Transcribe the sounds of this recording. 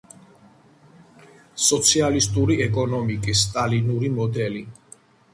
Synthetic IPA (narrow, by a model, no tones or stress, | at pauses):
sɔt̪sʰialist̪ʼuɾiɛkʼɔnɔmikʼisːt̪ʼalinuɾimɔd̪ɛli